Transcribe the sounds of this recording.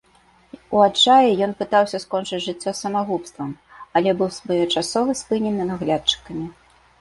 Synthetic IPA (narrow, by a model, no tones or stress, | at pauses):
uat͡ʂajɛjɔnpɨt̪awsʲɐskɔnt͡ʂɨt͡sʲʐɨt͡sʲːɔsːɐmaɣupst̪vɐm | ɐlʲɛbɨwsvɐjɔt͡ʂasɔvɨspɨnʲɛnɨnaɣlʲat̪̚t͡ʂɨ̥kɐmʲi